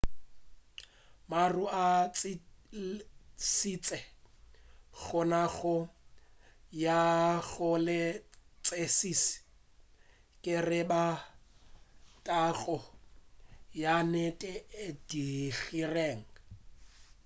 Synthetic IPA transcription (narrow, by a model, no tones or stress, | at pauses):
maruat͡s | sit͡sʼɛ | ɣʊnaɣʊ | jaɣʊlɪt͡sʼesisi̥ | kʼɪrɪba | tʼaɣɔ | janɛtʼɛed̥iɣireːŋ̩